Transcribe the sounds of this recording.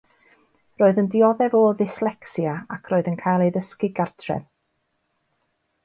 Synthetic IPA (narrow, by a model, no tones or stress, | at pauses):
roːɨðəndɪɔðɛvɔðɪslˠɛksjaakʰroːɨðənkʰajlˠejðəskiɡartʰrɛ̰ð